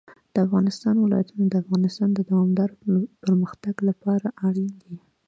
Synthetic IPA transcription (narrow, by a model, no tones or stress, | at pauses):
d̪̥əafɣɑnɪst̪ɑnwɪlɑ̰jat̪unod̪əafɣɑnɪst̪ɑnd̪əd̪awɑmd̪ɑɾopəɾməxt̪aɡlapɑɾaʔaɽind̪i